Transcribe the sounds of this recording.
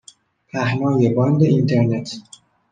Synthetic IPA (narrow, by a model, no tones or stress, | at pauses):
pʰæhnɒːjebɒnd̪eint̪ʰeɾnet̪ʰ